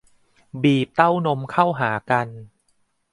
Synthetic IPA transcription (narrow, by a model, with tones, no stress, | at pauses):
biː˨˩p̚t̪a˥˩wno˧˥mkʰa˥˩wɦaː˩˦ka˧n